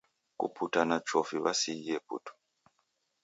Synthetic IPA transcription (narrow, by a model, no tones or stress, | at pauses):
kṵpʰutanat͡ʃɔfiβasiiɛpṵtʰɔ̥